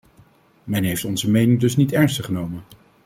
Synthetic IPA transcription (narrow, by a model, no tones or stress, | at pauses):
mɛnɦejftɔnzəmejnɪŋdɵsnitɛɹnstəχənowmən